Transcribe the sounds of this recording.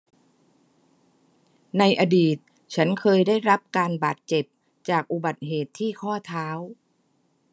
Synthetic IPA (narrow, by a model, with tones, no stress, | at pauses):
na˧jʔa˧diː˨˩t̪̚ | t͡ɕʰa˦˥nkʰɤː˧jda˥˩jɾa˦˥p̚kaː˧nbaː˨˩t̪̚t͡ɕe˨˩p̚ | t͡ɕaː˨˩k̚ʔu˨˩ba˨˩t̪̚ɦeː˨˩t̪ʰːiː˥˩kʰɔː˥˩t̪ʰaː˦˥w